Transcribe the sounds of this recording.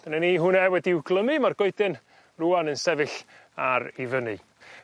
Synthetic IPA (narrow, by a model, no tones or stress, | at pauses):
d̥ananiːɦʊnɛwɛdiɪwɡlˠəmɨmarɡ̥ɔɨdɨn | ruanənsɛvɨɬ | aɾivənɨ